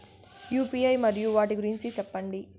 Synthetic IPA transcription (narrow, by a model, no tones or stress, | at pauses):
juːpiːɐjmɐɾijuʋaːʈiɡuɾiɲt͡ʃit͡ʃɛpːɐɳɖi